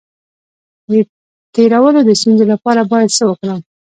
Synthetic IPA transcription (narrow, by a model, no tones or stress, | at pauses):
d̪ə | t̪eɾawəlod̪əst̪unzolapɑɾabɑjad̪səwəkɽəm